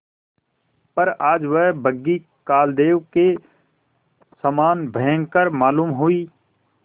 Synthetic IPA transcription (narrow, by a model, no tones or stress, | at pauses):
pɐɾaːd͡ʒʋɛɦbəɡːi | kaːld̪eːʋke | səmaːnbʱəɦə̃ŋɡkəɾmaːluːmɦuiː